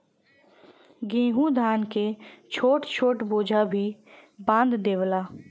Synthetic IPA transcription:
ɡẽːɦũːd̪ʱaːnkeːt͡ʃʰoːʈt͡ʃʰoːʈboːd͡ʒʱaːbʱiːbãːnd̪d̪eːʋəlaː

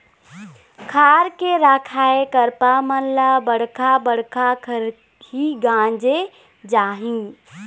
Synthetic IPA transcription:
kʰaːɾkeɾaːkʰaːekəɾpamənlabəɽ̤kabəɽ̤kakʰəɾ | ɦiɡãːd͡ʒe | d͡ʒaːɦĩː

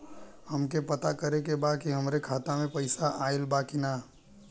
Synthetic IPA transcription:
həmkepət̪akəɾekebad̪̚kiɦəmɾekʰaːt̪amẽpəɪsaʔaːelbakina

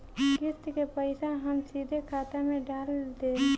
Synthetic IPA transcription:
ɡɪst̪kepəɪsaɦəmsiːd̪ʱekʰaːt̪amẽɖaːld̪eː

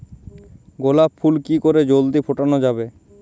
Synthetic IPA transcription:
ɡolapfʰulkikoɾed͡ʑold̪ipʰoʈanod͡ʑabe

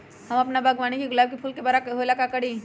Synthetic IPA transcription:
hɐmɐpnabaɡʋaːñikiɡʊlaːb̚kipʰuːlkebaːɾaɦoːlakakɐɽi

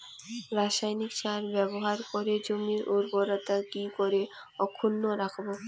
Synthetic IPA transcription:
ɾaʃajnikt͡ɕaɾbɛboɦaɾkoɾed͡ʑomiɾuɾboɾat̪akikoɾe | ɔkʰːunːoɾakʰbo

